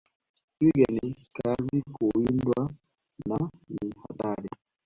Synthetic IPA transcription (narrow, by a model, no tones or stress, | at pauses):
swiɡɛnikazikʰojindwa | naniha̰ɗaɾi